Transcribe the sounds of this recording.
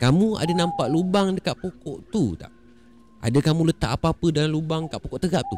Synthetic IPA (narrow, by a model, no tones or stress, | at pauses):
kamũa̰danãmpaʔlubaŋdəkaʔpokɔʔt̪ut̪a̰ʔ | ʔa̰dakamũlət̪a̰ʔapapədanlubaŋkaʔpokoʔt̪əɡap̚t̪u